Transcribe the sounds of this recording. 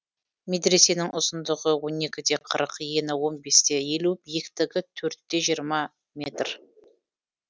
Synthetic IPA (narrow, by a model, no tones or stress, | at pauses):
me̞d̪ɾe̞se̞nɪŋʔʊzənd̪əʁəwo̞ne̞kʲɪd̪e̞qʰəɾəqjenɪwo̞nbe̞st̪e̞je̞lubijekt̪ɪɡʲɪt̪ʰɵɾt̪ːe̞ʒijəɾmɑ | mʲe̞t̪r